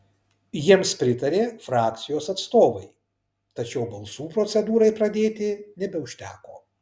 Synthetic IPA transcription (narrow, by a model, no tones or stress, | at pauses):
jiɛmspʲɾʲɪt̪ɐɾʲeːfɾɑːk̚t̪sʲɪjoːsɐt̪st̪oːʋɐɪ | t̪ɐt͡ʃʲɛʊbɐlˠsuːpɾoːt̪sʲɛd̪uːɾɐɪpɾɐd̪ʲeːt̪ʲɪnʲɛbʲɛʊʃʲt̪ʲæːko̰ː